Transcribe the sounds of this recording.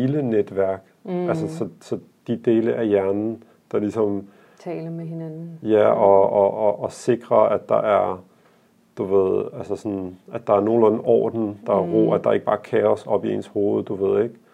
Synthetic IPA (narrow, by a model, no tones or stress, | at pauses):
iləned̥ʋæɐ̰ɡ̥ælsəsɒ̽sɒ̽ | d̥id̥e̝ːləʔæɐjæɐnn̩ | d̥ɑ̈lisɒ̽m | t͡sʰɛːlɐmehenæn̩jæɒɒʔːse̝ɡ̥ʁɐæ̥ɑ̈ʔæɐ | d̥uʋe̝ð̞̰ˠælsəsɒnʔæd̥ɑ̈æɐno̝ːl̩æn̩ɒ̰ːd̥n̩d̥ɑ̈æɐʁo̰ːæd̥ɑ̈e̝ɡ̥əb̥ɑ̈ːkʰɛːɒsɒ̽b̥ie̝̰nsho̝ːð̞̩ˠd̥uʋe̝ð̞̰ˠe̝ɡ̥